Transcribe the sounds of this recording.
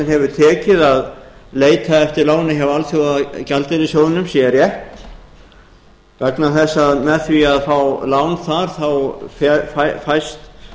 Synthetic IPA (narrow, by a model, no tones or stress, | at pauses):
nhɛvʏɾ̥t̪ʰɛːcɪðaðleːjt̪ʰaɛft̪ɪɾlaːwnɪɦɛvalθjowðcalt̪ɪɾɪsjowðɪnʏmsjɛɾjɛ | vɛknaθɛsːaðmɛθviaðfawlaːwnθaɾ̥θawfffajst̪